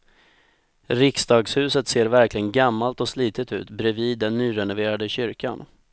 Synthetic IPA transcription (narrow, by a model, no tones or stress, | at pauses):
ɾɪksd̪ɑːɡshʉ̟ːsət̪seːɾvæɾklɪɡənɡamːalt̪ɔsliːt̪ɪt̪ʉ̟̰ːt̪bɾɛviːd̪ːɛnːyːɾɛnʊveːɾad̪əɕʏɾkʰa̰n